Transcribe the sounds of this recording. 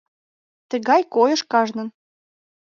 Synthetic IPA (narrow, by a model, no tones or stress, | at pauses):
t̪ə̆ɣɑjkojɤ̆ʃkɑʒnɤ̆n